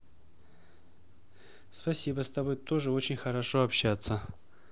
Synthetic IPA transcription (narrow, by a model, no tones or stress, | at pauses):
spɐsʲibəst̪ɐbo̞jt̪o̞ʐɨo̞t͡ɕɪnʲxəɾɐʂo̞ɐpɕːat̪sə